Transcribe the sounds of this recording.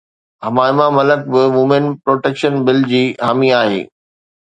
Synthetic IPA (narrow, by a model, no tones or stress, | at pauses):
ɦɐmaːɪmamɐlək̚bɪmʊmɪnpɾoːʈeːkʃənbɪld͡ʑiːɦaːmiaːɦḛː